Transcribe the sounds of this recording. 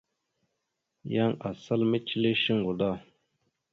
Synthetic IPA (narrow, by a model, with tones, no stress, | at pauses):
ja˦ŋʔa˨sa˦lme˦t͡ʃi˦le˦ʃi˦ŋɡu˨d̪a˦˨